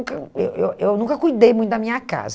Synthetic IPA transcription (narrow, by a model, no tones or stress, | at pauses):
kɐḛwewewnũkɐkujd̪ejmũj̃t̪ʊd̪ɐmĩɲɐka̰z